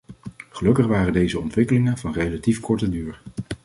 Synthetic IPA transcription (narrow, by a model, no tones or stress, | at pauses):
χəlɵkəχʋaːrəndejzəɔntʋɪkəlɪŋənvɑnrejlatifkʰɔɹtədyːɹ